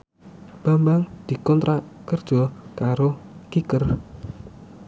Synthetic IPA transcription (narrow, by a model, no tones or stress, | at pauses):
b̥ambaŋd̪̥i̤kɔnt̪ɾakərd̥ʒ̥ɔkaɾokikər